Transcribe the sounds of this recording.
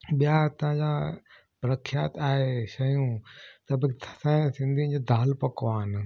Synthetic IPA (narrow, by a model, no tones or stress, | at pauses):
ɓijaːt̪ɐɦãd͡ʑã | bɾɐkʰjaːt̪aːɦeʃɐjũt̪ɐbk̪sãsɪ̃nd̪ʱĩd͡ʑed̪ʱaːlpɐkaːɦɪn̆